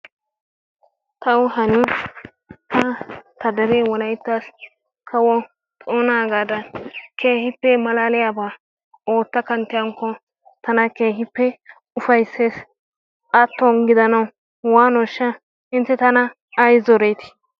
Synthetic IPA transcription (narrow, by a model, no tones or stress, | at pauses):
t̪ɐwɦɐni | t̪ʰɐt̪ɐd̪ɛɾeːwɔlɐjt̪ːas | kʰɐwɔ | t̪ʼoːnaːɡaːd̪ɐkʰeːhɪpːɛmɐlaːlɪjabaː | oːt̪ːɐkɐnt̪ːɪjɐŋkːɔ | t̪ɐnɐkeːɦɪpːɛ | ʊfɐjsːeːs | ʔɐt̪ːɔnɡɪd̪ɐnɐw | waːnɔʃːɐ | ɪnt̪ːɛt̪ɐnɐː | jzɔɾejt̪ɪ̥